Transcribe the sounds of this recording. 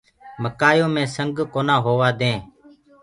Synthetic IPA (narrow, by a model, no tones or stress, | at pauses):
məkaːjõːmẽːsəŋɡkoːnãːɦoːʋaːd̪ẽː